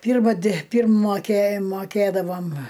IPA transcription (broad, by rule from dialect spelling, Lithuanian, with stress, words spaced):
ˈpʲiːrmɐ dʲɪ ˈpʲiːrm moːˈkʲeː moːˈkʲeːdɐʋoːm